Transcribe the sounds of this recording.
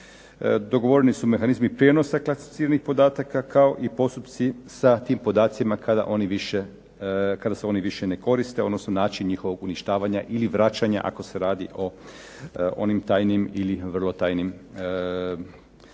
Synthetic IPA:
d̪o̞ɡo̞ʋoɾenisume̞xanizmipɾjeno̞saklˠasi̥fi̥t̪iːɾanixpo̞d̪aːt̪akakao̞ʔipo̞st̪upt̪sisat̪iːmpo̞d̪aːt̪sjimakad̪a̰ʔo̞niʋiʃe | kad̪aseo̞niʋiʃene̞ko̞ɾist̪e̞od̪nosnonaːt͡ʃinɲixo̞ʋo̞ɡuniʃt̪aːʋaɲaʔiliʋɾat͡ʃaɲa̰ʔa̰ko̞se̞ɾaːd̪iʔo̞ | o̞̰nimt̪aːjnimiliʋr̩lˠo̞t̪aːjnim

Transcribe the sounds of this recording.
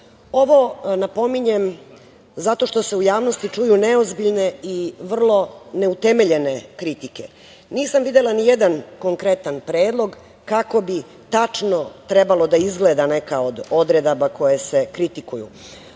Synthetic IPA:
o̞ʋo̞napo̞miɲem | zat̪o̞ʃt̪o̞se̞ujaːʋno̞st̪it͡ʂujuneozbiʎne̞iʋr̩lˠo̞ne̞ut̪e̞me̞ʎe̞ne̞kɾit̪ike | niːsamʋid̪elˠanijed̪anko̞ŋkɾe̞t̪anpɾeːd̪lˠo̞ɡ | kako̞bi | t̪at͡ʂno̞t̪ɾebalˠo̞d̪aizɡled̪ane̞kaod̪o̞d̪ɾed̪abakʰo̞jese̞kɾit̪ikujṵ

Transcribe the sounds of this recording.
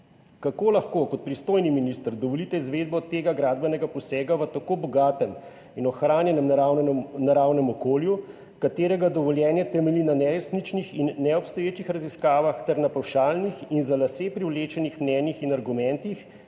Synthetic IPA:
kakoːlaxkokɔt̪̚pɾist̪oːjniminist̪əɾd̪ɔʋɔlit̪ɛizʋeːd̪̚bɔt̪eːɡaɡɾaːd̪bɛnɛɡapɔsɛːɡaʋət̪akoːbɔɡaːt̪ɛm | inɔxɾaːnjɛnɛm | naɾawnɛmɔkoːlju | kat̪eːɾɛɡad̪ɔʋɔljɛːnjɛt̪ɛmɛlinanɛɾesnit͡ʃnixinːɛɔpst̪ɔjeːt͡ʃixɾaziskaːʋaxt̪ɛɾnapawʃaːlnixinzalasepɾiwleːt͡ʃɛnixmnɛːnixinaɾɡumɛnt̪ix

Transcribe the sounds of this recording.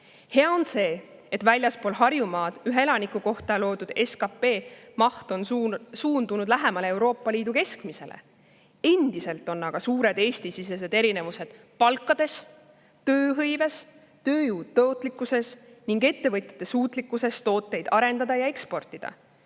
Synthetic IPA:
he̞ɑo̞nse̞ːet̪vælʲjɑspo̞lɦɑrjumɑːd̪̥yɦeelɑnikuko̞ht̪ɑlo̞ːd̪ud̪̥e̞skɑpe̞ːmɑht̪o̞nsuːnd̪unud̪̥læɦemɑle̞e̞wɾo̞ːpːˑɑliːd̪uke̞skmise̞̰lḛ | e̞nʲd̪̥ise̞lt̪ːˑo̞nːɑɡ̥ɑsuːɾe̞d̪e̞ːst̪isise̞s̬e̞d̪̥e̞ɾine̞vuse̞d̪̥ | pɑlkːˑɑd̪e̞s | t̪ø̞ːɦɤjve̞s | t̪ø̞ːjuːd̪̥̚t̪ɤot̪ːˑlikːˑuse̞sniŋɡe̞t̪ːe̞vɤt̪ʲjɑ̥t̪ːˑe̞suːt̪ˑlikːˑuse̞st̪o̞ːt̪ːˑe̞jd̪̥ɑɾe̞nd̪ɑd̪̥ɑjɑe̞kspo̞rt̪ˑːid̪̥ɑ̰

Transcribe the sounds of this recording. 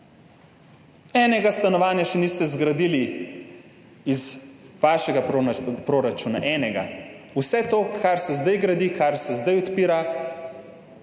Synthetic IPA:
ɛnɛɡast̪anɔʋaːnjaʃɛnist̪ɛzɡɾad̪iːli | izʋaːʃɛɡapɾoːɾat͡ʃuːna̰ʔɛːnɛɡa̰usɛt̪oːkʰaɾsɛzd̪ajɡɾad̪ikaɾsɛzd̪ajɔt̪piːɾa

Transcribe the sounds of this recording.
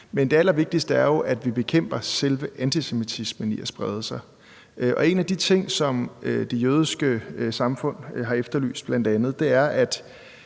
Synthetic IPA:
mend̥e̝æl̰ɐʋe̝ɡ̥̚d̥isd̥əæɐjo̝ʔæd̥ʋib̥e̝kʰem̰b̥ɐselʋəʔænt͡sʰisemit͡sʰismənḭæsb̥ʁað̞ˠəsɑ̈ɪ | ʔʔɒ̽e̝næd̥it͡sʰe̝ŋ̰sɒ̽mød̥e̝jøːð̞ˠisɡ̥əsɑ̈mfɔ̽n̰ɦɑ̈efd̥ɐly̰ːsd̥̚b̥læn̰d̥ænð̞̩ˠd̥e̝æɐʔæd̥

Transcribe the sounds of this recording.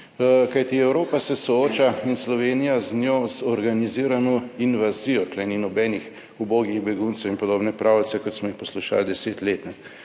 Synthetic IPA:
kajt̪iɛwɾoːpasɛsɔoːt͡ʃainslɔʋeːnijaznjoːzɔɾɡaniziːɾanɔinʋaziːjɔklɛninɔbɛnix | uboːɡiɣbɛɡunt̪sɛwinpɔd̪oːbnɛpɾʔaːwlt̪sɛkɔt̪smɔjixpɔsluʃa̰ːld̪ɛseːt̪leːt̪nɛ

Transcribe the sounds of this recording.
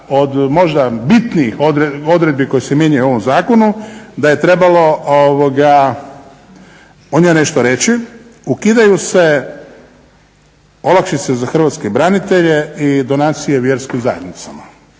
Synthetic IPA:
od̪mo̞ʒd̪abit̪niixod̪ɾeod̪ɾe̞d̪̚biko̞jesemje̞ɲujuo̞ʋo̞mzaːkonud̪aje̞t̪ɾe̞balo̞oʋoɡa | oɲone̞ʃt̪oɾe̞t͡ɕiukid̪ajuse̞ | o̞lakʃit̪sezaxr̩ʋat̪skebɾanit̪e̞ʎe̞id̪o̞naːt̪sijeʋje̞ɾskimzaje̞d̪nit̪sama

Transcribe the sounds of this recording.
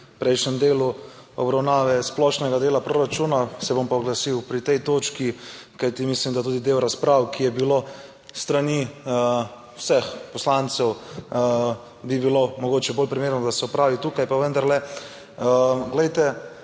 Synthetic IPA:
pɾɛjʃnɛmd̪eːluɔ̰bɾawnaːʋɛsplɔʃnɛɡad̪eːlapɾoɾat͡ʃuːnasɛbompɔɡlasiwpɾit̪ɛjt̪oːt͡ʃkikajt̪imislimd̪at̪uːd̪id̪eːwɾaspɾaːwkʰijɛbilo | st̪ɾani | wsɛxpɔslant̪sɛw | bibilomɔɡoːt͡ʃɛboːlpɾimeːɾnɔd̪asɛɔpɾaːʋit̪ukajpaʋənd̪aɾlɛ | ɡlɛjt̪ɛ

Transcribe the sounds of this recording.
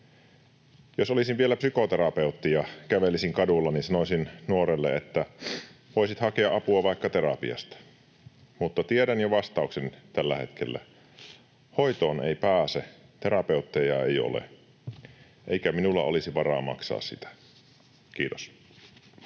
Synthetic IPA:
josolisiʋʋielæpsykot̪eɾɑpeut̪ːijɑkæʋelisiŋkɑdulːɑninsɑnosinnuoɾelːḛet̪ːæʋoisit̪hɑkeɑʔʔɑpuɑʋɑikːɑt̪eɾɑpḭɑ̰st̪ɑ̥ | mut̪ːɑt̪ieɾænjoʋɑst̪ɑuksent̪ælːæ̰he̞t̪kʰelːæ̰ | hoit̪oːneipæːset̪eɾɑpeut̪ːejɑḛijo̰lḛ | ʔeikæminulːɑ̰olisiʋɑrɑ̰ːmɑ̰ksɑ̰ːssit̪æ̥ | kiːt̪os

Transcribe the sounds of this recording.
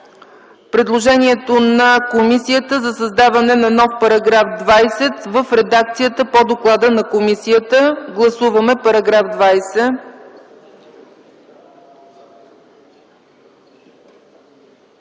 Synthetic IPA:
pɾɛd̪lˠoʒɛniɛt̪onɐkomisijət̪əzɐsɐzd̪avɐnɛnɐnɔfpɐɾɐɡɾafd̪vajsɛt̪vəfɾɛd̪ak̚t̪sijət̪əpod̪oklˠad̪ənɐkomisiət̪əɡlˠɐsuvəmɛpɐɾɐɡɾafd̪vajsɛ

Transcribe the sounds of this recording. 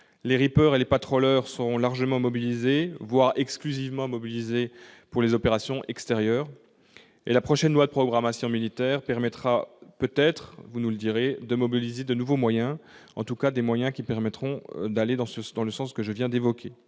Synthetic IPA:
leʁipœːʁelepat̪χɔlœʁsəʁɔ̃laʁʒəmɑ̃mɔbilizevwaʁɛksklyzivmɑ̃mɔbilizepuʁlezɔpeʁasjɔ̃ʔɛkst̪eʁjœːʁ | ḛlapχɔʃɛnlwad̪əpχɔɡʁamasjɔ̃milit̪ɛːʁpɛʁmɛt̪χapøt̪ɛt̪χvunuləd̪iʁed̪əmɔbilized̪ənuvomwajɛ̃ɑ̰̃t̪ukad̪emwajɛ̃kʲipɛʁmɛt̪χɔ̃d̪aled̪ɑ̃səd̪ɑ̃ləsɑ̃skəʒəvjɛ̃d̪evɔkʲʰe

